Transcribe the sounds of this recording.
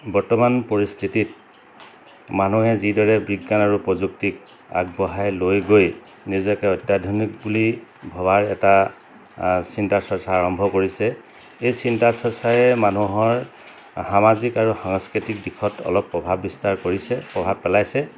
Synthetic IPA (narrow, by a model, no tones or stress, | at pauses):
bɔɹtɔmanpoɹistʰitit̚ | manuɦɛzidɔɹɛbʱiɡːanaɹupɹɔzuktik̚ | a̰ɡ̚bɔɦajlojɡoj | nizɔkɛɔjtjadʱɔnik̚bulibʱɔbaɹɛta | sintasɔsaːɹɔmbʱɔkoɹisɛ | ejsintasɔɹsajɛmanuɦɔɹ | hamazikaɹuxaŋskɹitik̚dikʰɔtɔ̰lɔpːɹɔbʱabːistaɹkoɹisɛpɹɔbʱab̚pɛlajsɛ